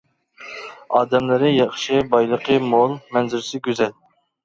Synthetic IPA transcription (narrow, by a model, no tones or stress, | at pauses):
ɑːd̪ɛmlɪɾɪjɑχʃɨbɑjlˠəqʰəmolˠmɛnzɪɾɪsɪɡʲøzɛl